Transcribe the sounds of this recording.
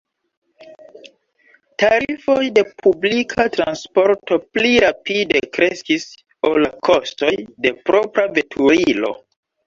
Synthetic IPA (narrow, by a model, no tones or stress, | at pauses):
taɾifo̞jde̞pʰublikʰatɾa̰nspo̞ɾto̞pliɾapide̞kɾe̞skis | olakʰostojde̞pɾo̞pɾave̞tʰuɾilo̞̰